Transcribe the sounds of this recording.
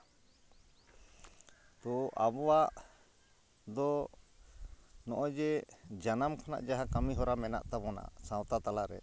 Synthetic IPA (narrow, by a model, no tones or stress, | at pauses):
t̪ɔʔabɔwaʔ | d̪ɔ | nɔʔɔd͡ʒɛd͡ʒanamkʰana̰ʔd͡ʒaɦakamiɦɔɾamɛna̰ʔt̪abɔna̰ʔsãwt̪at̪alaɾɛ̰